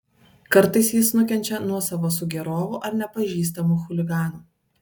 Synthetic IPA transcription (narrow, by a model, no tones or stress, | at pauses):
kɐɾˑt̪ɐɪsjɪsnʊkʲɛnʲt͡ʃʲɛnuɔsɐʋoːsʊɡʲɛɾoːʋʊʔɐɾnʲɛpɐʒʲiːs̬t̪ɐmuxʊlʲɪɡɑːnuː